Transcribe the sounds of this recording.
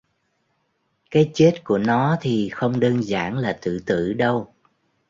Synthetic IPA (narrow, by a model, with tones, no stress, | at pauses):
kaː˨˦jt͡ɕe˦˥t̚ku˧˩ənɔ˨˦t̪ʰi˨˩xə˧wŋ͡mɗəː˧nzaː˧˩nlaː˨˩t̪ɨ̰˧˨t̪ɨ̰˧˩˨ɗə˧w